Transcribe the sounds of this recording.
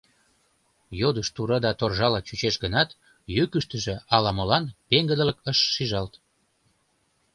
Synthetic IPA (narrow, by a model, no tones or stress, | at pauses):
jod̪əʃt̪uɾɑd̪ɑt̪orʒɑlɑt͡ɕyt͡ɕeʃɡənɑt̪ | jøkyʃt̪əʒĕɑlɑmolɑnpeŋɡəd̪ələkəʃːiʒɑlt̪